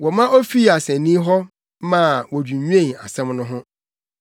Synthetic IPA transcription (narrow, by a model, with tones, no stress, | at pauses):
wɔ˨mã˦ʔo˦fi˦˨a˨sɛ̃˨nĩ˦ɦɔ˦ | mã˨wɔ˨dᶣũ˨ɲᶣ˦ẽ˦˨a˨sɛ̃˦mnʊ̃˦ɦʊ̃˦